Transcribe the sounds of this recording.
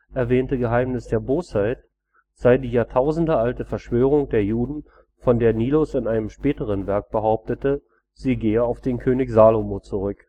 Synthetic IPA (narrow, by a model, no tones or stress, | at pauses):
ʔɛɐvɛːntəɡəɦaɪmnɪsd̥eːɐboːshaɪt | z̥aɪdiːjaːɐtʰaʊzn̩dəʔaltəfɛɐʃv̥øːʁ̞ʊŋd̥eːɐjuːdn̩ | fɔndeːɐniːlosɪnʔaɪnəmʃpɛːtəʁ̞ənvɛɐk̚b̥əɦaʊp̚tətə | z̥iːɡeːəaʊfd̥eːnkʰøːnɪçz̥aːlomoːt͡suʁʏk